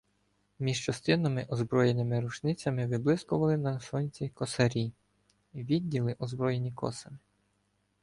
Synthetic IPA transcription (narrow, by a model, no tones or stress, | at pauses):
mʲiʒt͡ʃɐst̪ɪnɐmɪʔɔzbɾɔjenɪmɪɾʊt͡ʃnɪt͡sʲɐmɪʋɪblˠɪskʊʋɐlˠɪnɐsɔnʲt͡sʲikɔsɐɾʲi | ʋʲidʲːilˠɪʔɔzbɾɔjenʲikɔ̰sɐmɪ